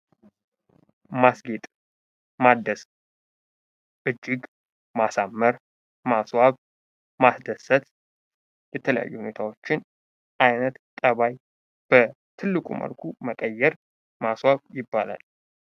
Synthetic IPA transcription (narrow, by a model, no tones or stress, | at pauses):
masɡet̪ʼ | mad̪əs | ʔɨd͡ʒːɪɡ | masamːəɾ | maswaβ | masd̪əsət̪ | jɛt̪ʰələja̰jːuhune̞t̪ʰawo̞t͡ʃːɪn | ʔajnət̪t̪ʼəβaj | b̥ə | t̪ʰɨlːɨkʼṵmə̰lkʰuməkʼəjːɛɾ | maswaβjɪbːala̰l